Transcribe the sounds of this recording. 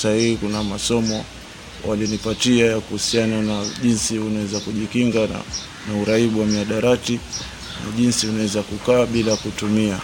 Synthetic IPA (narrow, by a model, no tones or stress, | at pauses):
sahiikunamasɔmɔ | wʔaliɔnipatiajakuhusiananaʄinsiunawɛzakuʄikiŋɡa̰ | nauɾaiɓuwamiaɗaɾati | na̰ʄinsiunawɛzakukaːɓilakutumia